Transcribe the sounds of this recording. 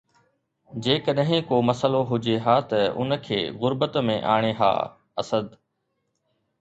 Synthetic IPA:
d͡ʑeːkəɗəɦɪ̃koːmɐsəloɦʊd͡ʑeɦaːt̪ɐʊ̰nəkʰeːɣʊɾbət̪mḛ̃ʔa̰ːɽ̃eɦa̰ː | ɐ̰səd̪

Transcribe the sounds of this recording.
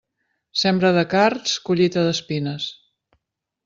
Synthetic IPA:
sɛmbɾəðəkaɾt̪skuʎit̪əðəspinəs

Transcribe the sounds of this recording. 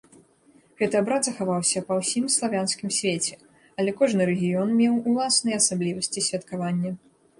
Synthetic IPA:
ɣɛt̪ɨabɾad̪zɐxavawsʲɐpɐwsʲimslˠavʲanskʲimsʲvʲet͡sʲɛ | ɐlʲɛkɔʐnɨɾɛɣʲijɔnmʲɛwulˠasnɨjɛasablʲivɐsʲt͡sʲisʲvʲɐt̪kavanʲːɐ

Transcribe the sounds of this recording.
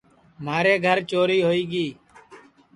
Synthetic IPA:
maːɾeːɡʱəɾt͡ʃoːɾiːɦoːiːɡiː

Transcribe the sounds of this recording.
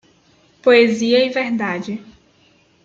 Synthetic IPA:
poeziɐivɛɾd̪ad͡ʒɪ

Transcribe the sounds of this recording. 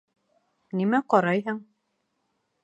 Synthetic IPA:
nimæqɒɾɑjɦɤɴ

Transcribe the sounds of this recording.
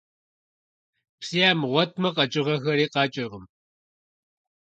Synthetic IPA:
psiaːmʁʷɔt̚ʰmɐqʼɐt͡ʃʼɪʁɐxɐɾiːqɑːt͡ʃʼɪʁəm

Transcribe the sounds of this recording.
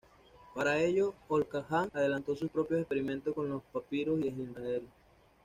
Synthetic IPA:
paɾae̞ʝo̞olkaxaŋaðe̞lant̪o̞suspɾo̞pjoespeɾimẽ̞nt̪osko̞nlo̞spapiɾosiesinrael

